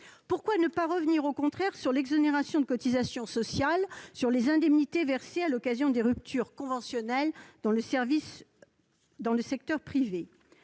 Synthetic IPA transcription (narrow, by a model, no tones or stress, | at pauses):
puʁkwanəpaʁəvniʁokɔ̃t̪χɛʁsyʁlɛɡzɔneʁasjɔ̃d̪əkɔt̪izasjɔ̃sɔsjalsyʁlezɛ̃d̪ɛmnit̪evɛʁsealɔkazjɔ̃d̪eʁyp̚t̪ʰyʁkɔ̃vɑ̃sjɔnɛld̪ɑ̃ləsɛʁvis | d̪ɑ̃ləsɛk̚t̪œʁpχive